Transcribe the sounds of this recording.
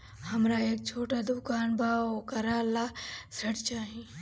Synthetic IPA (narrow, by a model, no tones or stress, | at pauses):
hɐmɾaeːk̚t͡ʃʰoːʈad̪ʊkaːnbʱaːokɐɾaːlasɐʈt͡ʃaːɦĩ